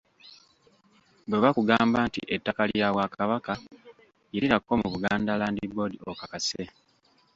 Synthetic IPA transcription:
bweβakuɡaːmbaːntḭʔetːakaliaβwakaβaka | iliɾakːo̞muβuɡaːndalaːndibo̞diokakase

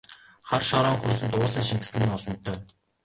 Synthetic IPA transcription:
χarʃɔɾɔŋxursɘ̆nt̪ʊːɮĭːŋʃiŋkɘ̥s̆nːɔɮɞ̆nt̪ʰːœː

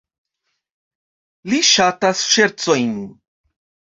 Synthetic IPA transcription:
liʃatasʃeɾt͡so̞jn

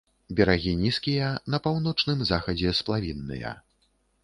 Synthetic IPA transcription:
bʲɛɾaɣʲinʲiskʲijɐnɐpawn̪ɔt͡ʂnɨmzaxɐd͡zʲɛsplˠavʲinːɨ̰jɐ̰

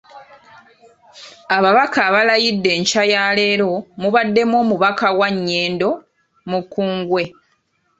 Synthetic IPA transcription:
aβaβakaːβalajidːe̞ːɲcajaːle̞ːɾo̞muβadːe̞mwo̞ːmuβakawaɲːeːndo̞ | mukːuːŋɡwe̞

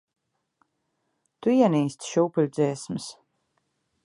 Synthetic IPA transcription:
t̪uiɛniːst̪ʃuːpɨlʲd̪zʲiɛsms

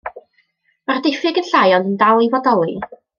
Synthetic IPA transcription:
mardɪfɪɡənɬajɔnəndalˠivɔdɔlˠi

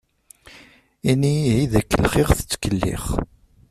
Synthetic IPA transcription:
iniiðækːəlχɪʁθə̥t͡sːkəlːḭχ

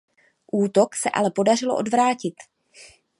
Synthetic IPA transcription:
ʔuːt̪o̞ksɛʔa̰lɛpo̞dar̝ɪlo̞̰ʔo̞dvɾaːcɪt̪

